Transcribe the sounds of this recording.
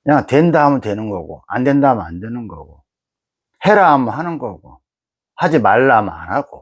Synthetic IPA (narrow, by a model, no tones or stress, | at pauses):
ɲatwe̞ndaɦamɯntwe̞nɯnɡʌɡo̰andwe̞ndamʌnandwe̞nɯnɡʌɡo | he̞ɾamhanɯnɡʌɡo̰ | had͡ʑimaɭːama̰nɦaɡ̥o